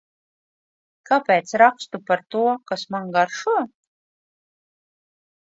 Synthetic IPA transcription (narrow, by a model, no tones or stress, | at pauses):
kapɛːt̪sɾakst̪upaɾt̪uɔkasmaŋɡaɾʃu